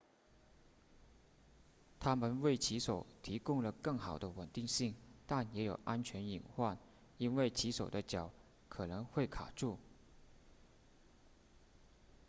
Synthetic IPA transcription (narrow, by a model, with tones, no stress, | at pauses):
t̪ʰa˥mə˨nwe˥˩ɪt͡ɕʰi˧˥ʂo˨˩˦ʊt̪ʰi˧˥kʊ˥ŋlə˨˩kɤ˥˩ŋxɑ˨˩ʊd̪ə˦wə˨˩nt̪i˥˧ŋɕi˥˩ŋt̪a˥˩njɛ˧˥jo˨˩ʊʔa˥nt͡ɕʰɥɛ˧˥ni˨˩nxwa˥˩n | i˥nwe˥˩ɪt͡ɕʰi˧˥ʂo˨˩ʊd̪ə˦t͡ɕjɑ˨˩˦ʊ | kʰɤ˨˩nɤ˧˥ŋxwe˥˩ɪkʰa̰˨˩ʈ͡ʂu˥˩